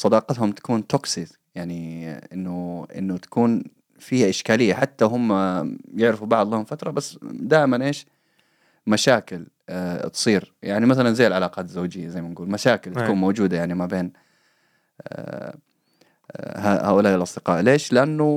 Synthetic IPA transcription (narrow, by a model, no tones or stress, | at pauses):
sˤɑd̪ɑːqɑt̪hʊmt̪ḁkuːnt̪oksi | jaʕniʔɪnːʊʔɪ̰nːʊt̪ḁkuːn | fiːhaʔɪʃkaːlɪjːaħat̪ːaɦʊmːajɪʕɾɪfubɑʕd̪ˤlhʊmfat̪ɾˤɑbasːd̪aːʔɪmanʔeːʃ | maʃaːkɪl | t̪sˤiːɾjaʕnimaθalanzeːɪlʕalaːqɑːt̪zaowːd͡ʒɪjːazajmanɡuːlmaʃaːkɪlt̪ḁkuːnmowd͡ʒuːd̪ajaʕnimabeːn | haha̰ːʔʊlaːʔɪlʔɑsˤd̪ɪqɑ̰ːʔleːʃlɪʔanːu